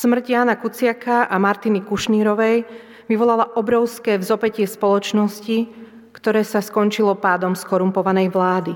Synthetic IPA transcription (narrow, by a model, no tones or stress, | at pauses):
smr̩ɟjaːnakut͡sɪakaʔamaɾt̪inikuʃniːɾɔʋɛj | ʋiʋɔlalaʔɔbɾɔʊskɛːvzɔpɛcɪɛspɔlɔt͡ʃnɔsci | kt̪ɔɾɛːsaskɔnt͡ʃilɔpaːd̪ɔmskɔɾumpɔʋanɛjʋlaːd̪i